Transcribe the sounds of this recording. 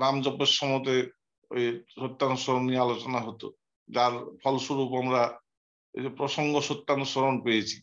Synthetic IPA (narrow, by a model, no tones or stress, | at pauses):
ɾamd͡ʑɔbeɾʃɔmot̪̬e | ejʃot̪ːanusɔɾonːialot͡ɕɔnaɦot̪o̰ | d͡ʑaɾpʰɔlsuɾupamɾa | ḛpɾoʃɔŋɡoʃot̪ːansɔɾonpejet͡ɕʰi̥